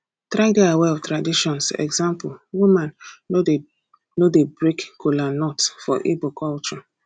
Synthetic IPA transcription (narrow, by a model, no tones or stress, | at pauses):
tɾadeawɛɔvtɾadiʃɔ̃nsɛ̰ɡzãmpulwumãno | nodebɹekkolanɔtfɔ̰ʔibokɔlt͡ʃɔ